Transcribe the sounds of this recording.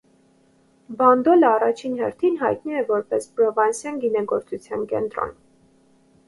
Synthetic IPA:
bɑnd̪ɔləɑrɑt͡ʃʰinɦɛɾt̪ʰinɦɑjt̪niɛvɔɾpɛspɾɔvɑnsjɑnɡinɛɡɔɾt͡sʰut͡sʰjɑnkɛ̰nt̪ɾɔ̰n

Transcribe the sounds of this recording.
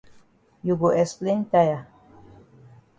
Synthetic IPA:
juɡuʔesplint̪aja

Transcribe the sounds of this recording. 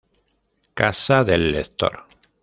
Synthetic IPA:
kasaðelːeθt̪o̰ɾ

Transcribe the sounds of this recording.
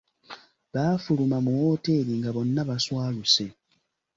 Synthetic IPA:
βaːfulumamuwo̞ːte̞ːɾiŋɡaβo̞nːaβaswaːluse̞

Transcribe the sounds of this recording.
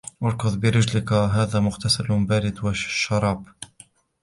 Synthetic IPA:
ʔɑɾˤkʊðˤbɪɾɪd͡ʒlɪkɦaːðaːmʊɣt̪asalbaːɾɪd̪waʃʃːɑɾˤɑːb

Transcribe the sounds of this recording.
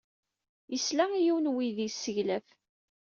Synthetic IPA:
jəslæijiwnwiðisːəʝlæf

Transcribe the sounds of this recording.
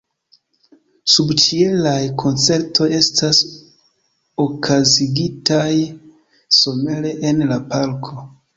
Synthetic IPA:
subt͡ʃie̞lajkʰo̞nt͡se̞ɾtʰo̞je̞stas | okʰaziɡitaj | so̞me̞le̞ʔenlapalkʰo̞

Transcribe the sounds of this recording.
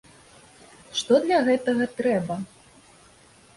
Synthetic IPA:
ʂt̪ɔd̪lʲɐɣɛt̪ɐɣɐt̪ɾɛbɐ

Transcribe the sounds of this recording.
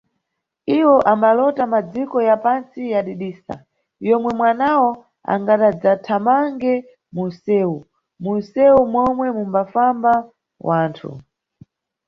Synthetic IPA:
iwɔʔambalɔtamad͡zikɔjapansijaɗiɗiːsa̰ | jɔmwɛmwanawɔ | a̰ŋɡaɗad͡zatʰamaŋɡɛ | munsɛːu | munsɛumwɔmwɛmumbafamba | wʔaːntʰṵ

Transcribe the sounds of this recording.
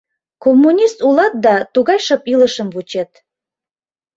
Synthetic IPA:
komːunʲist̪ulˠɑt̪̚d̪ɑt̪uɣɑjʃɤpilˠəʃəmvut͡ɕet̪

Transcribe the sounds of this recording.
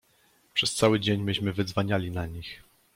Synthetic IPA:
pʂɛst̪sawɘd͡ʑeɲbɘɕmɘvɘd̪zvaɲalʲinaɲix

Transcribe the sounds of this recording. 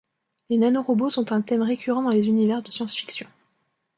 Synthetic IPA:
lenanoʁɔbosɔ̃t̪ɛ̃t̪ɛmʁekʲʰyʁɑ̃d̪ɑ̃lezynivɛʁd̪əsjɑ̃sfi̥ksjɔ̃

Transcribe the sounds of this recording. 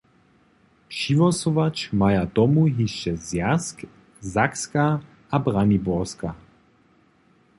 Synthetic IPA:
pʃivɔsɔvat͡ʃmajat̪ɔmuɦiʃt͡ʃɛzjask | zakskaː | bʁanibɔʁska

